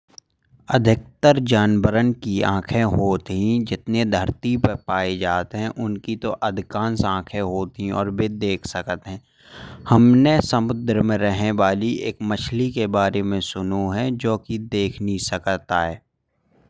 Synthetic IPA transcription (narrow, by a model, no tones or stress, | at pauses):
ə̰d̪ʱɪk̚t̪əɾd͡ʒaːnbəɾənkiã̰ːkʰẽɦoːt̪ɦĩd͡ʒɪt̪ned̪ʱəɾt̪ipəpaːed͡ʒaːt̪ɦɛ̃ʔʊnkit̪oʔɐd̪ʱɪkãːnsãːkʰẽɦoːt̪ɦĩɔ̰ːɾbed̪eːkʰsəkət̪ɦɛ̃ː | hɐmnesəmʊd̪ɾəmẽɾəɦneʋaːliʔeːkmət͡ʃʰlikebaːɾemẽsʊnuɦɛd͡ʒoːkid̪eːkʰnisəkt̪aɦɛː